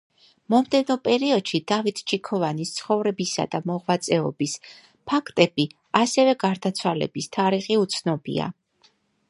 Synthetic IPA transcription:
mɔmd̪ɛnɔpʼɛɾiɔd̪̥ʃid̪̥avit̪ʰt͡ʃʰikʰɔvanist̪sʰχɔvɾɛbisa̰d̪amɔʁvat̪sʼɛɔbis | pʰakʰt̪ʼɛbi | asɛvɛɡaɾd̪at̪sʰwalɛ̰bist̪ʰaɾiχiut̪sʰnɔbḭa̰

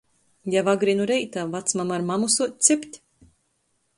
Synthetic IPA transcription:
javaɡɾinuɾɛjt̪avat̪smamaɾmamusuɔt̪̚ʲt̪sɨpʲt̪ʲ

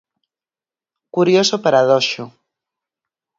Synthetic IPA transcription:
kuɾjosopaɾaðɔʃu

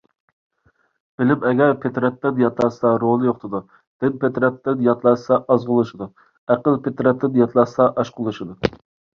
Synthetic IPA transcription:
b̥ɪlɪpɛɡʲɛɾpʰet̪ɾɛt̪lɪd̪jɑt̪ʰlˠɑsɑɾolˠɨjoχt̪ɨd̪u | d̪̥ɪnpʰet̪ɾɛt̪lɪd̪jɑt̪lˠɑsɑʔɑzʁʊlˠɨʃɨd̪u | æqəlˠpʰet̪ɾɛt̪ːɪd̪ɪjɑt̪ʰlˠɑsɑʔɑʃqʰʊlˠɨʃɨd̪u

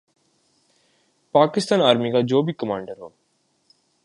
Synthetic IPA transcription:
paːkɪst̪aːnaːɾmikad͡ʒoːbʱikəmãːɳɖəɾɦo̰ː

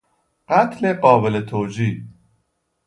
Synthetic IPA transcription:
ɢ̥æt̪ʰleɢɒːbelet̪ʰoːd͡ʒiː

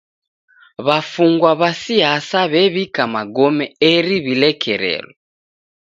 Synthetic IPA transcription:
βafuŋɡwaβasiasaβɛβikamaɡɔmɛɛɾiβilɛkʰɛɾɛ̰lɔ

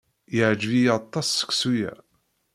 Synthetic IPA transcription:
jəʕd͡ʒvijt̪ˤːɑsːə̥ksujæ̰

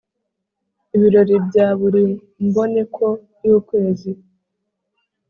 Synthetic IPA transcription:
iβiɾo̞ɾibɟaːβuɾi | mbo̞ne̞kʰo̞ | juːkwe̞ːzi

